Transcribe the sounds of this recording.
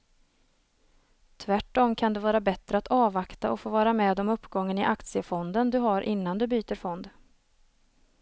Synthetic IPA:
t̪ʰvæʈːɔmkʰand̪ɛvɑːɾabɛt̪ɾəat̪ɑːvakt̪aɔfoːvɑːɾamɛːd̪ɔmɵpːɡɔŋːənɪʔakt̪sɪəfɔnd̪ənd̪ɵɦaɾʔɪnːand̪ɵbyːt̪əɾfɔnd̪

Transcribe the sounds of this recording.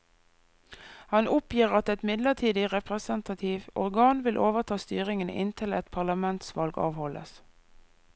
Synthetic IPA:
hɑnʊpjiːʁɑt̪ɛt̪mɪd̪ləʁt̪ʰiːd̪ɪʁɛpʁəsənt̪ɑt̪ʰiʋɔʁɡɑːnʋɪlʔoːʋəʁt̪ʰɑːst̪yːʁɪŋənə̰ʔɪ̰nt̪ʰɪlɛt̪pʰɑʁlɑmɛnt̪sʋɑlɡɑ̰ːʋhɔlə̰s

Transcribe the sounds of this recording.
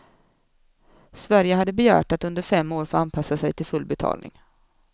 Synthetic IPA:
svæɾjəɦad̪ːəbɛjæ̰ːʈat̪ɵnd̪əɾfɛmːoːɾfoːanpʰasːasɛjt̪ʰɪlfɵlbɛt̪ʰɑ̰ːlnɪ̰ŋ

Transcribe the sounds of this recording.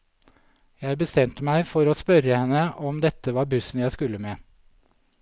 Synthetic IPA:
jæɪbəst̪ɛmt̪əmæɪfɔɾoːspœɾəhɛnːəʔɔmd̪ɛt̪ːəʋɑːɾbʉsn̩jæɪskʉlːəmeː

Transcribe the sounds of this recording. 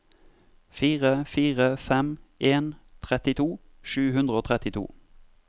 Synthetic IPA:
fiːʁəfiːʁəfɛmʔeːnt̪ʰʁɛt̪ɪt̪ʰuː | ʃʉːhʉnd̪ʁəoːt̪ʰʁɛt̪ɪt̪ʰṵː

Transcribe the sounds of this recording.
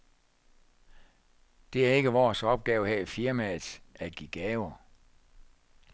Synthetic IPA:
d̥e̝æɐe̝ɡ̥əʋɒːsɒ̽b̥̚ɡ̥ɛːʊəɦæ̰ifiɐmæ̥ʔæɡ̥iɡ̥ɛːʊɐ

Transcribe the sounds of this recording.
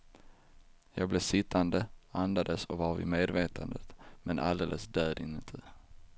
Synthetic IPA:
jɑːɡ̚blesɪt̪ʰːand̪əand̪ad̪əsɔvɑɾvɪ̰meːd̪veːt̪ʰand̪ət̪mʔɛnʔa̰ld̪eːlʔəsd̪øːd̪ɪnt̪ʰə

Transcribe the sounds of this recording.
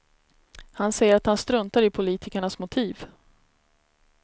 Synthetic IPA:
hansɛjːəɾat̪hanst̪ɾɵnt̪aɾɪpʰʊliːt̪ʰɪkaɳasmʊt̪ʰiːv

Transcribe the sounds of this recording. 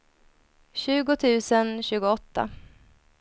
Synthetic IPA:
ɕʉ̟ːɡʊt̪ʰʉ̟ːsənɕʉ̟ːɡʊɔt̪ːa̰

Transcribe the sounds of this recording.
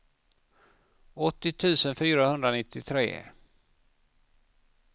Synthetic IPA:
ɔt̪ːɪt̪ʰʉ̟ːsənfyːɾahɵnd̪ɾanɪt̪ʰːɪt̪ʰɾḛː

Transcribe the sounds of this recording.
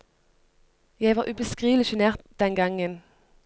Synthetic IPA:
jæɪʋɑːʁʔʉːbəskʁiːʋl̩ɪʃʉneːʁt̪̚d̪̥ɛnɡɑŋən

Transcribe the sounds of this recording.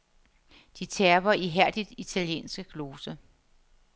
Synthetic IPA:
d̥it͡sʰeɐʋɐiɦæɐ̰d̥id̥it͡sʰæljḛːnsɡ̥əkʰlo̝ːsə

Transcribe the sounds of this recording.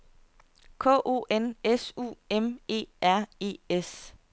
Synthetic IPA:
kʰɔ̰̽ːʔo̝̰ːʔenesṵːeme̝̰ːæɐ̰e̝̰ːes

